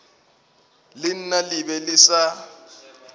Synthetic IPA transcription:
lɪn̩nalɪbɛlɪsa

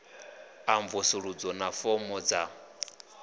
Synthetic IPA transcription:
aɱvɔsuɺud͡zɔnafɔmɔd͡za

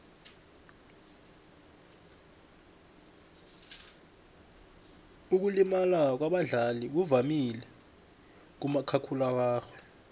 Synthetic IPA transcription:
uk̬ulimalak̬waɓaɮaliɓ̬uvamilɛ | k̬umakʰakʰulak̬aːxwɛ

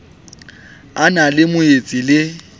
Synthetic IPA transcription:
analɪmʊet͡sʼilɪ

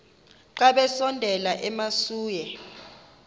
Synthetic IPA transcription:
ǃaɓɛsɔndʱɛlaʔɛmasuːjɛ

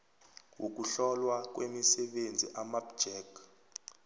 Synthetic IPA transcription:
wʔok̬uɬɔlwak̬wemisɛɓend͡zʱḭʔamapd͡ʒ̥ɛk

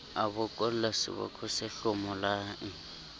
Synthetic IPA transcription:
abʊkʼɔl̩lasɪ̰bɔ̰kʰʼʊsɪɬʊmɔlaʔ̩

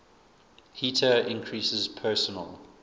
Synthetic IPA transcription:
hiˑtʰəɪ̃nkʰɹiˑsɪzpʰɜːˑsənə̰lˠ

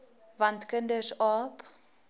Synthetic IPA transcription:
vɐntkəndəsɑːp

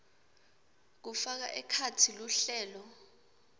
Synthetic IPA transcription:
k̬ufak̬a̰ʔɛkʰatʰiluɬɛːlɔ

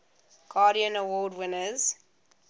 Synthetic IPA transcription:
ɡ̥ɑːɾiə̃nəwɔːdwɪnəz̥

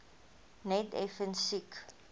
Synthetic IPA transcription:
nɛtɛ̰fənsik

